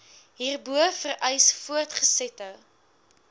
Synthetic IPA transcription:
ɦiːrbuəfərʔɛjsfuərtχəsɛtə

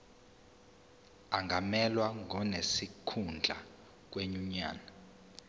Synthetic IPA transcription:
aŋʱamɛlwaŋʱɔnesikʰund͡ɮʱa̰ | k̬weɲuɲa̰ːna

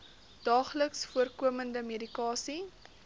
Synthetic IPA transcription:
d̥ɑːχləksfuərkuəməndəmedikɑːsi

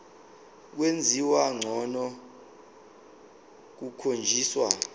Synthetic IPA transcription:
k̬wend͡zʱiwaŋ͡ǀʱɔnɔ | k̬ukʰond͡ʒʱiːswa

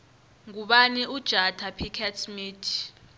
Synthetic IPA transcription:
ŋuɓaniud̥ʒ̥ʱatʰapʰikʰɛtʰmiːtʰi̥

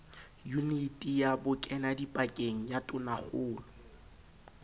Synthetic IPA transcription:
junitʼijabʊkʼɛnadipʼakʼeŋ̩jatʼʊnaχʊːlʊ

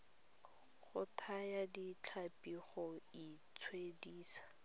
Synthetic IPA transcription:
χʊtʰajadit͡ɬʰapiχɔit͡sʰwediːsḁ

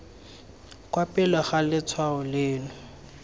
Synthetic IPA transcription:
kʼwapʼɪlɛɣalɪt͡sʰwaʊleːlʊ

